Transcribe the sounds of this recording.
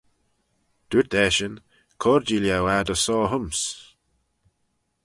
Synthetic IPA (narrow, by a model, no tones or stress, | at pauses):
d̪̥utɛʃən | kʰɔɹd͡ʒiljawad̪əsɔːɦʊms